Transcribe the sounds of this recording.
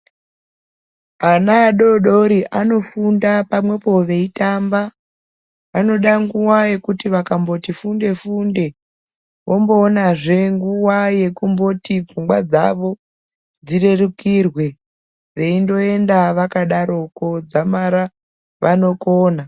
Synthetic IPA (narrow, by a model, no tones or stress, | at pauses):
anaːɗo̞ɗo̞ɾiʔano̞fundapamwe̞po̞ʋe̞itamba | ano̞ɗaŋɡuwaje̞kutiʋakambo̞tifunde̞funde̞ | wʔo̞mbo̞ːnaʐe̞ŋɡuwaje̞kumbo̞tib͡vuŋɡwad͡za̰ʋo̞ | d͡zire̞rukirwe̞ | ʋe̞indo̞e̞ndaʋakaɗaɾo̞ko̞d͡zamaɾa | ʋano̞koːna